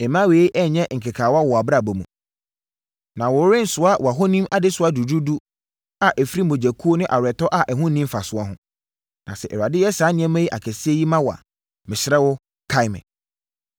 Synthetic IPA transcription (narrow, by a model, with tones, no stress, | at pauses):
ɛ˨mã˦weː˨˦ʔɛ˦˨ɲɛ̃˦˨ŋ̩˨kʰɪ˨kʰaː˨wa˦wɔ˨a˨bɾa˨bɔ˨mũ˨ | nã˨wʊ˨˦ɾɪ̃˦n̩˨˦sʊ˦a˦wʔɔ˨a˨ɦɔ˦nĩ˦mʔa˨dɪ˦sʊ˨˦a˦du˨du˦du˦ | a˨ʔɛ˨fi˦ɾi˦˨o˨d͡ʑæ˨kʰu˦o˦nʊ̃˦ʔa˨ɾɛ˨tɔ˦ʔa˦ʔɛ˨ɦʊ̃˦nĩ˦m˦fa˨sʊ˦a˦ɦʊ̃˦ | nã̰˨sɛ˨ʔɛ˨ɾa˨dɪ˦jɛ˦saː˨˦nɪ̃˦ɛ̃˦mã˦ji˦ʔa̰˨kʰɛ˨sɪ˦ɛ˦ji˦mã˦wa̰˨ | mɪ̃˨ɕɪ˨˦ɛ˦wʊ˦ | kʰa˦ɪ˦mɪ̰̃˨